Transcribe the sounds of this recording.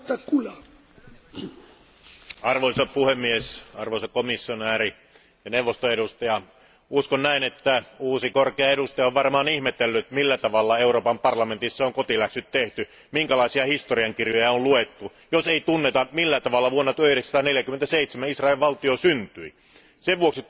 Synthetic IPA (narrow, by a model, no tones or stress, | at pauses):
t̪ɑkulɑ | ɑrʋoisɑpuhemːiesɑrʋoisɑkomisːionæːri | jɑnewʋːost̪oeɾust̪ɑjɑ | uskonnæinet̪ːæuːsikorkeɑeɾust̪ɑjɑoʋʋɑrmɑːnihmet̪elːyt̪milːæt̪ɑʋɑlːɑeuroːpɑmpɑrlɑment̪isːæoŋkot̪ilæksyt̪t̪eht̪y | miŋkælɑˑisiɑhist̪oriɑŋkirjojɑolluet̪ːu | joseit̪unːet̪ɑmilːæt̪ɑʋɑlːɑʋuonːɑt̪yøehiɾeksɑt̪ɑneljækymːent̪æseit̪semæisrɑelʋʋɑlt̪iosynt̪yi | seʋʋuoksi